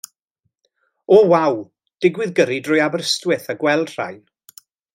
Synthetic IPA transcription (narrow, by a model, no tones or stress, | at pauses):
ɔwaw | d̥ɪɡwɪðɡəɾidrʊjabrəstwɪθəɡwɛl̥ˠr̥a̰j